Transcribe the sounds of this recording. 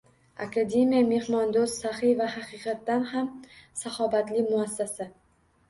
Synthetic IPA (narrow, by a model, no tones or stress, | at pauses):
a̰kʰad̪ʲe̞mijame̞hmɒnd̪ossaχivahaqɨqʰɑt̪ːanhamsahɒbat̪lɪmʊasːasa